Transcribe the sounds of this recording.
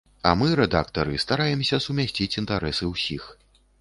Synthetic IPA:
ɐ̰mɨɾɛd̪a̰kt̪ɐɾɨst̪aɾajɛmsʲɐsumʲasʲt͡sʲit͡sʲint̪aɾɛsɨwsʲix

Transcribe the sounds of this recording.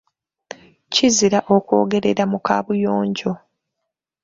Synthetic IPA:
ciziɾaʔo̞kwo̞̰ːɡe̞ɾe̞ɾamukaːβujo̞ːɲɟo̞

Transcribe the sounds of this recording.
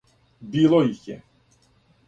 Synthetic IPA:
bilˠɔixjɛ

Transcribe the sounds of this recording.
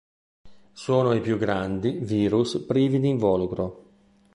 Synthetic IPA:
soːnoipjuɡɾand̪iviːɾuspɾiːvid̪iɱvɔːlukɾo

